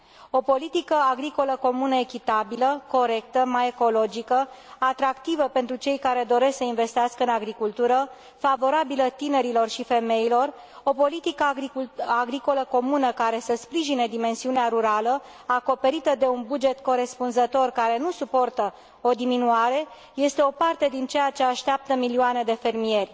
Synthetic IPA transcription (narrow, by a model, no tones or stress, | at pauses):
o̞po̞lit̪ikəaɡɾiko̞ləko̞munəe̞kʲit̪abiləko̞ɾe̞k̚t̪əmaje̞ko̞lo̞d͡ʒikəat̪ɾakt̪ivəpe̞nt̪ɾut͡ʃe̞jkaɾe̞d̪o̞ɾe̞ssəinve̞st̪eɪaskəɨnaɡɾikult̪uɾə | favo̞ɾabilət̪ine̞ɾilo̞rʃife̞me̞ilo̞r | o̞po̞lit̪ikəiaɡɾiko̞ləko̞munəkaɾe̞səspɾiʒine̞d̪ime̞nsiuneaɾuɾalə | ako̞pe̞ɾit̪əd̪e̞unbud͡ʒe̞t̪ko̞ɾe̞spunzət̪o̞rkaɾe̞nusupo̞rt̪ə | o̞d̪iminuaɾe̞ | je̞st̪e̞o̞part̪e̞d̪int͡ʃejat͡ʃe̞aʃt̪eap̚t̪əmilioane̞d̪e̞fe̞rmie̞rʲ